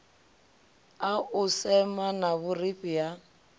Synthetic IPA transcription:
aʊsɛmanaβʊripʼija

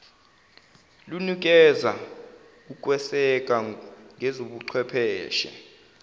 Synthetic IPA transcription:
lunik̬ʼɛza | uk̬ʼwɛsɛk̬ʼaŋʱɛzoɓuǃʰwɛpʰɛːʃɛ̰

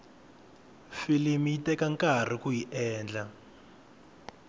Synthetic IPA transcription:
filimiitɛkaŋkar̤ikujiʔɛːnd͡ɮa

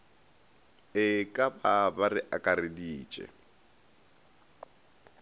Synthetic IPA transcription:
ɪkʼababarɪʔakʼaɾɪdiːt͡ʃʼɛ̰

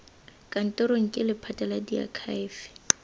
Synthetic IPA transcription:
kʼan̩tʼɔɾoŋ̩kʼɪlɪpʰatʼaladia̰kʰaːfɪ̥

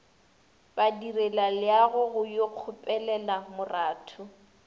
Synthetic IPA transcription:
b̥adirɛlalɪaɣʊɣʊjoq͡χʰʊpʼɛlɛlamʊraːtʰʊ

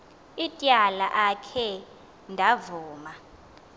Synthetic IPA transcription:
itʼjalaʔakʰɛ | ndʱavuːma

